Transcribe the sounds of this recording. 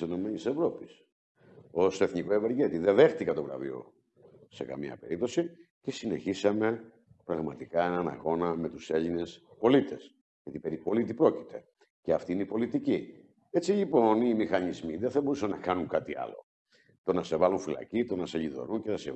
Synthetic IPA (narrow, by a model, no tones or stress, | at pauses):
seno̞me̞nise̞vɾo̞pis | o̞seθniko̞eveɾʝe̞t̪iðeðext̪ikɐt̪ovɾɐ̰vḭo̞̰ | se̞kɐ̰miɐ̰pe̞̰ɾip̚t̪o̞sice̞sine̞çisɐme̞ | pɾɐɣmɐt̪ikɐenɐnɐ̰ɣo̞nɐme̞t̪use̞ʎine̞spo̞lit̪e̞s | ʝɐt̪ipeɾipo̞lit̪ipɾo̞ci̥t̪ʰe̞̰ | ceɐft̪iineipo̞lit̪ici | e̞t͡ssiʎipo̞nimixɐnizmiðeθɐbo̞ɾusɐnɐkɐnuŋkɐt̪iɐ̰lo̞̰ | t̪o̞nɐse̞vɐluɱfilɐ̰cit̪o̞nɐseʎiðo̞̰ɾunce̞nɐsḛ